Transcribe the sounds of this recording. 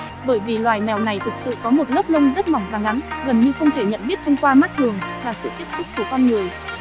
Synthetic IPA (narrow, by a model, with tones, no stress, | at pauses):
ɓəː˧˩jvi˨˩lwaː˨˩jmɛ˨˩wna˨˩jt̪ʰɨ˨˩k̚sɨ̰˧˨kɔ˨˦mo˨˩t̚lə˦˥k͡p̚lə˧ŋ͡mzə˦˥t̚ma˨˩wŋ͡mfaː˨˩ŋʔa˨˦nɣə˨˩nɲɨ˧xə˧wŋ͡mt̪ʰe˧˩ɲə̰˧˨nɓi˦˥ət̚t̪ʰə˧wŋ͡mkwaː˧ma˦˥t̚t̪ʰɨ˨˩əŋvaː˨˩sɨ̰˧˨t̪i˦˥p̚sʰʊ˦˥k͡p̚k̪u˧˩əkɔ˧nŋɨ˨˩əj